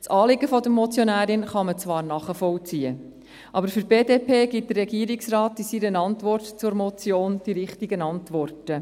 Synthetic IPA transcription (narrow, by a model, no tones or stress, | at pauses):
t͡sɑːlɪɡəfɔd̪əmɔt͡sjɔnæːɾɪnχɑmət͡svʋɑːɾnɑχəfɔlt͡siːə | ʔɑbəɾfʏɾb̥eːdeːpʰeːɡ̥it̚d̥̪ərːɛɡiəɾɪksrɑːtːisiɾənɑntʋɔrtt͡sʊɾmɔt͡sjoːnd̥iɾɪχtiɡənɑntʋɔrtə